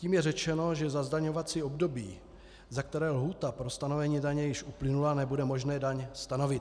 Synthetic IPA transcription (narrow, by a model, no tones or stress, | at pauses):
ciːmjɛrɛt͡ʃɛno̞ʒɛzazdaɲo̞vat͡siːo̞bdo̞biː | zak̚t̪ɛɾɛːlɦuːt̪apɾo̞st̪anovɛɲiːdaɲɛjɪʃʔuplɪnulanɛbudɛmo̞ʒnɛːdaɲst̪ano̞vɪt̪